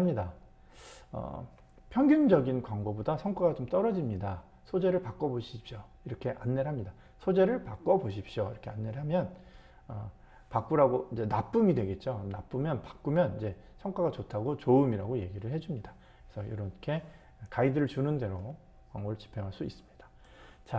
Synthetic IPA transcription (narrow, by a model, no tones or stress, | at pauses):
amɲida | ʌ̰ | pʰjʌŋɡjund͡ʑʌɡinkwaŋɡobodasʰʌŋk͈waɡat͡ɕomt͈ʌɾʌd͡ʑimɲida | sʰod͡ʑe̞ɾɯɭpak͈ʌboɕʰipɕ͈jo | iɾʌkʰe̞ʔanːe̞ɾɦamɲida | sʰod͡ʑe̞ɾɯɭpak͈ʌboɕ̬ʰipɕ͈joḭɾʌkʰe̞anːe̞ɾɦamjʌn | ʌ | pak͈uɾaɡoid͡ʑe̞nap͈umidwe̞ɡe̞t̚t͡ɕ͈onap͈umjʌnpḁk͈̚umjʌnid͡ʑe̞ | sʰʌŋkwaɡat͡ɕotʰaɡot͡ɕoɯmiɾaɡoje̞ɡiɾɯɭhe̞d͡ʑumɲida | kesʰʌjo̰ɾʌkʰe̞ | kaidɯɾɯɭt͡ɕunɯnde̞ɾo | kwaŋɡot͡ɕi̥pʰeŋɦaɭs͈uis͈ɯ̥mɲid̥ḁ | t͡ɕa